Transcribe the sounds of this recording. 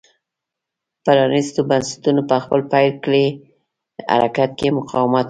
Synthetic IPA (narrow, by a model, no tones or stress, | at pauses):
palɑnist̪obansḁt̪unopəxpəlpajlkɽe | a̰ɾʔakat̪̚kemʊqʰɑwɪmat̪